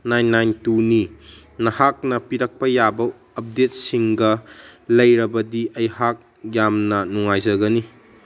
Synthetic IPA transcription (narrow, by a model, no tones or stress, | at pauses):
najnːajntuni | nɐhak̚nɐpiɾɐk̚pɐjabɐː | p̚det̚siŋɡɐlɐjɾɐbɐdiʔɐjhak̚ | jamnɐnuŋajzɐɡɐni